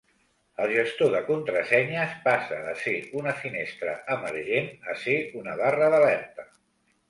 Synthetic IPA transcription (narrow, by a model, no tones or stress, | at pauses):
əlˠʒəst̪oðəkunt̪ɾəsɛɲəspasəəseunəfinest̪ɾə̰əməɾʒenəseunəβarəðəlɛrt̪ə